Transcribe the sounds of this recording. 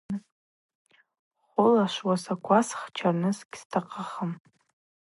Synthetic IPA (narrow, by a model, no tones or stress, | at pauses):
χʷʊlaʃʷwasakʷʰasχt͡ʃʰarnɨsɡʲstʰaqʰʼaχəm